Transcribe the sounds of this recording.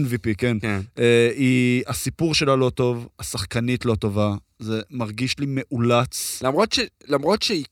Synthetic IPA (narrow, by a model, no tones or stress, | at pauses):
nvipikeneiasipuʁʃe̞lalo̞to̞vasaχkanitlo̞to̞va | ze̞maʁɡiʃlime̞ʔulat͡slamo̞tʃelamʁo̞tʃei